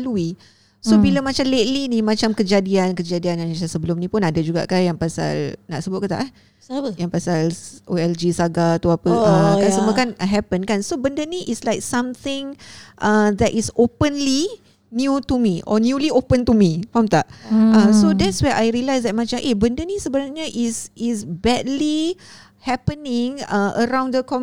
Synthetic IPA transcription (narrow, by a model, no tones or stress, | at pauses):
lui | sobilamat͡ʃamlet̚linimãt͡ʃamkəd͡ʒadiankəd͡ʒadianãnasasəbəlʊmnĩpʊnadad͡ʒuɡa̰ʔkanjaŋpasa̰lna̰ʔsəbʊt̪̚kət̪a̰ʔ | jaŋpasalʔoɛld͡ʒisaɡat̪uapəəkasəmuəkanɦɛpənkansobəndəniʔislajk̚sãmt̪ɪ̃ŋʔad̪ɛtʔisopə̃nli | njut̪umiʔɔ̰njuliʔopə̃nt̪umĩfɔmt̪aʔə̃sodɛtswɛʔajɹilajsdɛt̚mãt͡ʃãmʔebəndənisəbənarɲəʔisisbɛdli | hɛpənɪ̃ŋə̃ʔə̰ɾãw̃ndəkɔ